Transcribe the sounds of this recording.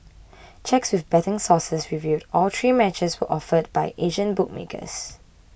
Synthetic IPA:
t͡ʃɛkswɪfbɛtə̃ŋsɔsəsɹivjudʔɔlt̪ʰɹiːmɛt͡ʃəswə̰ʔɔfəd̚baɪʔeʒə̃nbʊk̚mḛkʰə̰s

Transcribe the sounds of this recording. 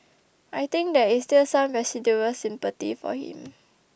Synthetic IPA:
ʔajt̪ɪ̃ŋk̚dɛistilsãmvɛsiduɹəsɪ̃mpət̪ḭfɔ̰hḭ̃m

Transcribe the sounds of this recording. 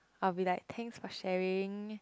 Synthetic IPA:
awilaɪk̚t̪ʰɛ̃ŋksfɔʃɛɹɪ̃ŋ

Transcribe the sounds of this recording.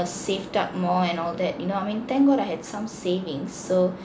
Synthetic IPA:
seftap̚mɔɛ̃nɔld̪ɛt̚junoaɪmĩnt̪ɛ̃ŋkwɔɾaɪhɛdsãmsevĩŋsːo

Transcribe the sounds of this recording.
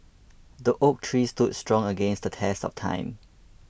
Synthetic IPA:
dəʔok̚tʰɹiːstud̚stɹɔ̃ŋəɡɛ̃nsdətʰɛstɔ̰ftʰã̰ɪ̃m

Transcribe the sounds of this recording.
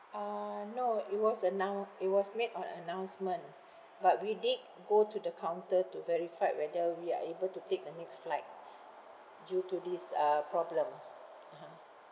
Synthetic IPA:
anoit̚wɔsənãit̚wɔsmetɔ̃nə̰nãw̃nsmə̃n | bat̚widid̚ | ɡotudəkʰãw̃ntətuvɛɹifaɪwɛdəwia̰ebəltutek̚dənɛksflaɪt̚ | djutudisapɹɔblə̃m | aɦã

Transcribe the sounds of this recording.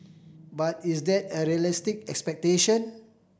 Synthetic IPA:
bat̚isdɛtəɹiəlistɪk̚ɛkspɛk̚teʃə̃n

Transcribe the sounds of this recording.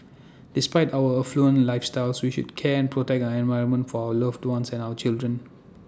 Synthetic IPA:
d̥ɪspaɪtawəəfluə̃nlaɪfstaɪlswiʃṵdkʰɛɛ̃npʰɹɔtɛk̚aəɛ̃nvaɪɹə̃nmə̃ntfɔaʊələvdwãnsɛ̃nawət͡ʃildɹə̃n

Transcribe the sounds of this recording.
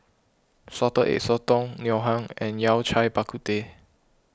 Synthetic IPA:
sɔtəʔḛʔ̚sɔtɔ̃ŋnjɔɦãŋɛ̃njawt͡ʃʰajbakʰut̪e

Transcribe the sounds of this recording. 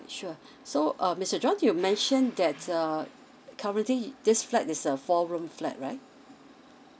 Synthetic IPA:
ʃu | soʔʌmɪstəd͡ʒɔ̃njumɛ̃nʃə̃ndɛtʌ | kʰaɹə̃ntlidɪsflɛtɪsəfɔɹũmflɛ̰t̚ɹaɪt̚

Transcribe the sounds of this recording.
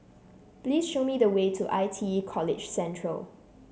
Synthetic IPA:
pliːsʃomidəwetʰuʔaɪtʰiikʰɔlɪ̰d͡ʒsɛ̃ntʰɹə̰l

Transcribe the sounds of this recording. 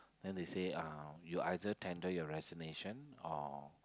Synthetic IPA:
dɛ̃ndeseajuʔajdətʰɛ̃ndəjɔɹɛzɔneʃə̃nɔ̰

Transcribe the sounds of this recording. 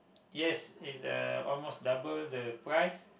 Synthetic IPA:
jɛsisdə̰ɔ̰lmosdabəldəpɹajs

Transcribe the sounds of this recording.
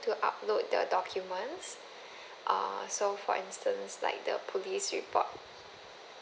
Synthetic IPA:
tuʔa̰p̚lot̚də̰dɔkʰjumə̃ns | ʔa̰sofɔ̰ʔĩnstə̃nsla̰ɪk̚də̰pʰolisɹḭpʰɔ̰t̚

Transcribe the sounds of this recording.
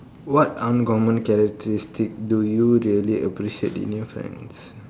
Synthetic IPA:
wɔtãnɡɔmə̃nkɛɾək̚tʰəɾistik̚dujuɾiəliʔəpɾiʃiḛtḭ̃njɔfɾɛ̰̃nɖs

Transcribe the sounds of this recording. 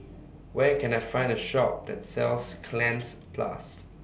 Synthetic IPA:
wɛkʰɛ̃naɪfãɪ̃ndəʃɔk̚dɛ̰t̚sɛlskʰlɛ̃nspʰla̰s

